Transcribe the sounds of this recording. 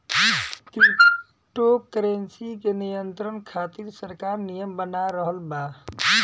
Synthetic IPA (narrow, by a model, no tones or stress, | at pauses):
ki | ʈokːəɾensikenijənt̪ɾənkʰat̪iɾsəɾkaɾnijəmbənaɾəɦəlba